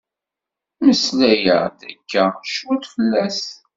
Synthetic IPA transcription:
məslæjə̰ʁd̪ækːæʃwut̪fəlːæs

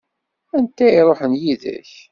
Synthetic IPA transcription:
ænt̪æiɾˤoħənjiðæ̰ç

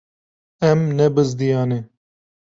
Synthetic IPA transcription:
emnebɐz̬d̪ijaːne

